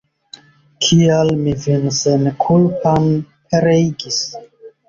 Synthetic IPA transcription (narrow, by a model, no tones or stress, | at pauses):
kʰialmivensenkʰulpan | peɾeiɡis